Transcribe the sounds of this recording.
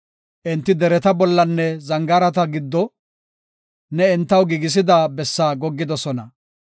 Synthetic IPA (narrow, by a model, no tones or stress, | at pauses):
ʔɪnt̪ːɪd̪ɛɾɛt̪ɐbɔlːɐnːɛzɐŋɡɐɾɐt̪ɐɡɪd̪ːɔ | nɛɪnt̪ːɐwɡiɡɪs̬ɪd̪aːbɛsːaːɡɔɡːɪd̪ɔsɔnɐ